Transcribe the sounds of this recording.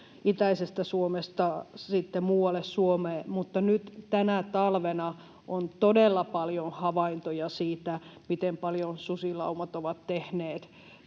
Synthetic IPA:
it̪æisest̪æsuomest̪ɑsit̪ːemuːwɑlːˑessuomeːmut̪ːɑnyt̪t̪ænæt̪ɑlʋenɑ | ʔont̪odelːɑpɑljonhɑʋɑint̪ojɑsiːt̪æmit̪empɑljonsusilɑ̰umɑt̪oʋɑt̪tehneːt̪

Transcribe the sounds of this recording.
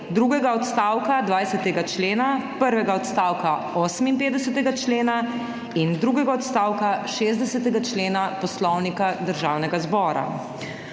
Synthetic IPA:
d̪ɾuːɡɛɡaɔt̪st̪aːwkad̪ʋaːjsɛt̪ɛɡat͡ʃleːnapəɾʋɛɡaɔt̪st̪aːwka | ɔːsəminpeːd̪ɛsɛt̪ɛɡat͡ʃleːna | ind̪ɾuːɡɛɡaɔt̪st̪aːwkaʃeːzd̪ɛsɛt̪ɛɡat͡ʃleːnapɔslɔwnikad̪əɾʒaːwnɛɡazbɔːɾa̰

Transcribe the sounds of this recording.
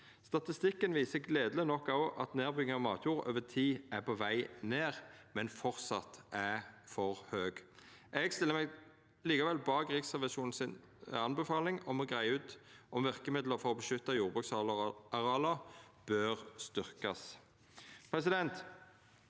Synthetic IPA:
st̪ɑt̪ɪst̪ɪkːənʋiːsəɡleːd̪ələnɔkːɑʔɑ̰t̪neːʁbʁʏɡɪɑmɑːt̪ʰjuːʁø̰ːʋət̪ʰiːæpʰɔʋæɪneːʁmɛnfɔʁt̪sɑt̪æfɔʁhøːɡ | ʔɛɡst̪ɪləɾmɛɡ | liːkɑʋɛlbɑːkʁɪksæʁʋæʃuːnn̩sɪn | ɑnbəfɑːlɪŋɔmɔɡʁæɪʉːt̪ʔɔmʋɪʁkəmɪd̪ləʁfɔʁɔbəʃʏt̪ːɑjuːʁbʁʉksɑɑʁɑːlɑ | b̥øːʁst̪ʏʁkɑs | pʰʁɛsɪd̪ɛnt̪

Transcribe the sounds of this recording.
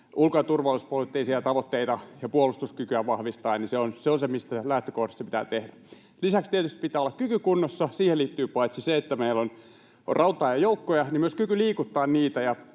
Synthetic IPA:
ulkojɑt̪urʋɑluspolit̪ːeisiɑt̪ɑʋot̪ːeit̪ɑjɑpuolust̪uskykyæʋɑhʋist̪ɑinniseonseonsemist̪ælæht̪ø̥kohdisːɑpi̥t̪æ̰ːt̪ehdæ | lisækst̪iet̪yst̪i̥pit̪ˑæːolːɑkkykykunːosːɑsiːheliːt̪ːyːpɑit̪siseet̪ːæmeilːon | o̰rʔɑut̪ɑːjɑjoukːojɑnimyøskykyliːkut̪ːɑːnniːt̪æjɑ

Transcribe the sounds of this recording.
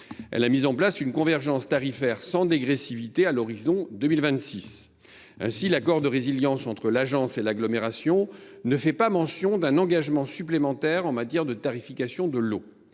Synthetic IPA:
ɛ̰lamizɑ̃plasynkɔ̃vɛʁʒɑ̃st̪aʁifɛʁsɑ̃d̪eɡʁesivit̪ealɔʁizɔ̃d̪əmilvɛ̃t̪sis | ɛ̰̃silakɔʁd̪əʁeziljɑ̃sɑ̃t̪χəlaʒɑ̃selaɡlɔmeʁasjɔ̃ | nəfɛpamɑ̃sjɔ̃d̪ɛ̃nɑ̃ɡaʒmɑ̃syplemɑ̃t̪ɛʁɑ̃mat̪jɛʁd̪ət̪aʁifikasjɔ̃d̪əlo

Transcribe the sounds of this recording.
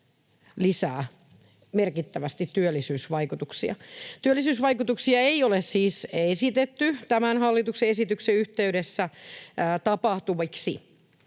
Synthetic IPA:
lisæː | merkit̪ːæʋæst̪it̪tːyølːisyːsʋɑikut̪uksiɑ̰t̪yølːisyːsʋɑikut̪uksiɑeiolessiːsesit̪et̪ːyt̪æmænhɑlːit̪ukseesit̪ykseyht̪eyɾesːæː | t̪ɑpɑht̪uʋiksi

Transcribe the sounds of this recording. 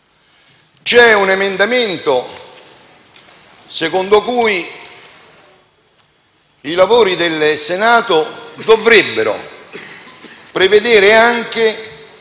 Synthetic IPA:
t͡ʃɛunemend̪amɪnt̪o | sekond̪okuːj | ilavoːɾid̪elsenaːt̪od̪ovɾebːeɾo̰ | pɾeved̪eːɾeaŋk̟ɪ

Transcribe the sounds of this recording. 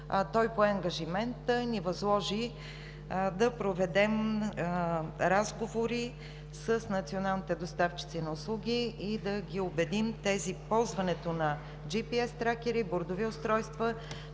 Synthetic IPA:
t̪ɔjpoɛɐŋɡəʒimɛnt̪ənivɐzlˠɔʒi | d̪ɐpɾovɛd̪ɛm | ɾazɡovoɾi | səsnɐt̪sionalˠnit̪ɛd̪ost̪aft͡ʃi̥t̪sinɐʊslˠuɡʲiid̪ɐɡʲiobɛd̪imt̪ɛzipɔlˠzvɐnɛt̪onɐ | d͡ʒipiɛst̪ɾakʲɛɾiboɾd̪oviʊst̪ɾɔjst̪və

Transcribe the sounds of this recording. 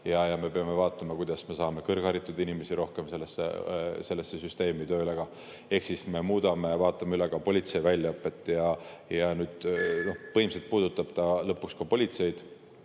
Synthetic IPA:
jɑjɑme̞pe̞ɑme̞vɑːt̪ːˑɑmɑkujd̪̥ɑsme̞sɑːme̞kɤrɡ̥hɑɾit̪ːˑud̪inime̞siɾo̞hke̞mse̞lːesːḛse̞lːe̞sːe̞syst̪e̞ːmit̪ø̞ːleɡ̥ɑ | e̞hksisme̞muːd̪ɑme̞vɑːt̪ˑːɑmeyleɡ̥ɑpo̞lʲit̪se̞jvælʲːjɑɤpːˑe̞t̪ːˑjɑjɑnyːd̪̥no̞pɤhimselt̪̚puːd̪̥ut̪ːˑɑb̥t̪ɑlɤpːˑukskɑpo̞lʲit̪se̞jd̪̥

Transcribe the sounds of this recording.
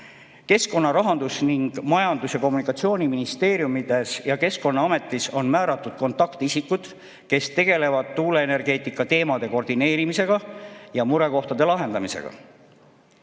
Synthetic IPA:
ke̞sko̞nːɑɾɑɦɑnd̪̥usniŋɡ̥mɑjɑnd̪usjɑko̞mːunikːˑɑt̪sio̞ːnʲiminist̪e̞ːɾjumid̪esjɑke̞sko̞nːɑɑme̞t̪ːˑiso̞nmæːɾɑt̪ːˑud̪̥̚ko̞nt̪ːˑɑkt̪isikːˑud̪̥ | ke̞st̪e̞ɡ̥e̞le̞vɑd̪̥t̪uːle̞ene̞rɡ̥e̞ːt̪ˑikːˑɑt̪e̞ːmɑd̪̥e̞ko̞rd̪ine̞ːɾimise̞ɡ̥ɑjɑmuɾe̞ko̞ht̪ɑd̪e̞lɑɦe̞nd̪̥ɑmise̞̰ɡ̥ɑ̰

